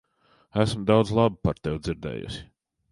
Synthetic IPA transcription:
æsmd̪awd̪zlˠɑbupaɾt̪ɛwd̪ziɾd̪ɛ̰ːjṵsʲi̥

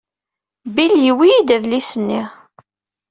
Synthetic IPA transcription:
biljiwiid̪ævlisənːi

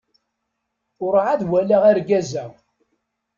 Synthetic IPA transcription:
ʊɾʕaðwælæʁaɾɡæzæ

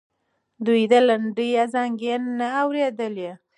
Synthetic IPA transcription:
d̪ujd̪alaɳɖijazɑŋɡenːaːwɾed̪əlje

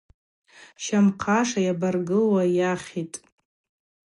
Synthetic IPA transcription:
ʃamqʰaʂajabarɡɨlwajaχʲitʼ

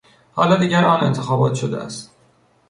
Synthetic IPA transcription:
hɒːlɒd̪iːɟæɾɒːne̞nt̪ʰe̞xɒːbɒːt̪ʰʃod̪æ̰ʔæ̰st̪

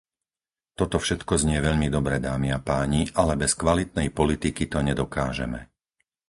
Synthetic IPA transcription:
t̪ɔt̪ɔfʃɛt̪kɔzɲɪɛʋɛʎmid̪ɔbɾɛd̪aːmiapaːɲiʔalɛbɛskʋalit̪nɛjpɔlit̪ikit̪ɔɲɛd̪ɔkaːʒɛ̰mɛ̰

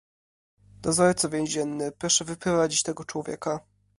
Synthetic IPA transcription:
d̪̥ɔzɔɾt̪sɔvʲjɛ̃w̃ʑɛnːɘpɾɔʂɛvɘpɾɔvad͡ʑit͡ɕt̪ɛɡɔt͡ʂwɔvʲjɛ̰ka

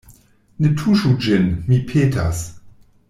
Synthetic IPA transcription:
netʰuʃud͡ʒɪnmipʰeːtʰa̰s

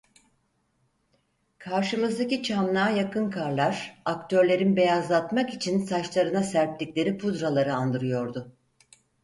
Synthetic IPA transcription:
kʰaɾʃɯmɯzd̪acit͡ʃʰamnaːjakɯnkʰaɾlˠaɾakt̪ʰø̞ɾlʲe̞ɾinbe̞jazlˠat̪makit͡ʃʰinsat͡ʃlˠaɾɯnasæɾp̚lʲicʲlʲe̞ɾipʰud̪ɾalˠaɾɯand̪ɯɾɯjo̞ɾd̪ʊ

